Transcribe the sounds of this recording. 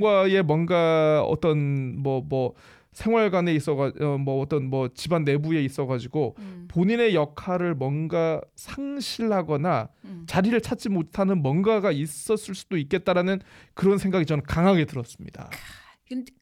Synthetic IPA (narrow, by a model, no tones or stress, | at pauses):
ɡwaje̞mwʌnɡaʌ̰t͈ʌnmwʌmʌ | sʰeŋɦwaɭɡwane̞is͈ʌɣaʌmʌːt͈ʌnmʌt͡ɕibanːe̞bue̞is͈ʌɡad͡ʑiɡopoɲine̞jʌkʰaɾɯɭmwʌnɡasʰaŋɕʰiɭhaɡʌnat͡ɕaɾiɾɯɭt͡ɕʰat͡ɕ͈imotʰanɯnmʌnɡaɡais͈ʌs͈ɯɭs͈u̥doik͈̚e̞t͈̚aɾanɯnkɯɾʌnsʰe̞ŋɡaɡit͡ɕʌnkaŋɦaɡe̞tɯɾʌs͈ɯmɲḭda̰